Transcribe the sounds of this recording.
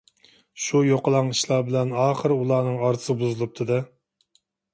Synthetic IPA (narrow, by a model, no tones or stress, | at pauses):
ʃujoqəlˠɑŋiʃlˠɑbɪlɛnɑːχəɾɨulˠɑːnɨŋɑɾʰɨ̥sɨbuzɨlˠɨp̚t̪ʰɨd̪ɨ